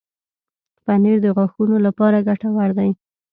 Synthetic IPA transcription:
paniɾd̪əɣwaxunolapɑɾaɡaʈawaɾd̪aj

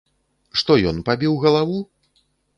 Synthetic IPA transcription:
ʂt̪ɔjɔnpabʲiwɣɐlˠavu

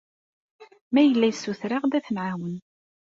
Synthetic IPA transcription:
mæjəlːæjsːuθɾaʁd̪æθənʕawən

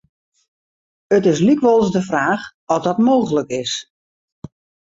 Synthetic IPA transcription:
ətɪs̬likʋɔlˠsdəfraːx | ɔzdɔtmoːɣələkɪs

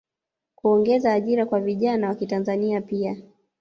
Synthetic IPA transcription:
kuɔŋɡɛzaːʄiɾakwaviʄanawakitanzaniapia

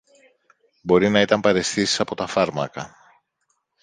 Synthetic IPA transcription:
bo̞ɾinɐit̪ɐmpɐɾe̞sθisi̥sɐpo̞t̪ɐfɐɾmɐkɐ

